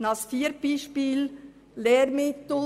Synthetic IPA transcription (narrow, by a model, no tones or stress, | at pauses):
nɑsfiːəɾb̥iːʃpiːl | leːɾmɪt̪l